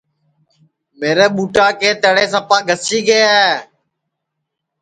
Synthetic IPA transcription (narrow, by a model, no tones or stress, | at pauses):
meːɾeːɓuːʈaːkeːt̪əːɽeːsəpaːɡʱəsiːɡəːa